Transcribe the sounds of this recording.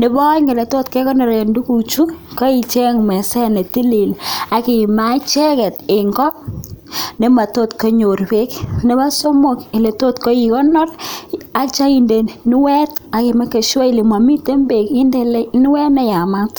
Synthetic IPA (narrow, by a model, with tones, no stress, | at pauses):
nɪ˦bɔ˦ŋɡe˨le˨to˦tke˦kɔ˦nɔ˨ɾe˨ndu˦ku˨t͡ʃu˦ko˦i˨t͡ʃɛ˦ŋmɛ˨sɛ˦ne˨ti˦li˨la˨ki˨ma˦t͡ʃɛ˦kɛ˨tɪ˨ŋɡɔ˦ | ne˦ma˨to˦tko˦ɲo˨rbe˦kne˦ba˦so˦mo˨kɪ˨le˨to˦tko˦ji˨kɔ˦nɔ˦ra˦kt͡ʃa˦i˦nde˨n˨ni˦wɛ˦ta˨ke˨ma˦ke˨ʃwɔ˦i˨le˨ma˨mi˦te˦mbe˨ki˦nde˦le˦ni˦wɛ˦nɛ˨˦ja˨ma˦t